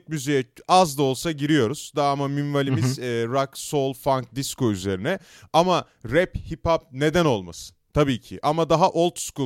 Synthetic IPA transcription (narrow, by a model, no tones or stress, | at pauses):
cmyze̞jɛazd̪ao̞lˠsaɟiɾijo̞ɾuz̥d̪aːmaminvalʲimizːɾakso̞lˠfaŋk̚d̪isko̞yze̞ɾinɛ | ama | ɾɛphipʰap̚ne̞d̪æno̞lˠma̰sɯ̥t̪ʰabiːcʰiʔamad̪aɦaʔo̞lˠt̪ʰsku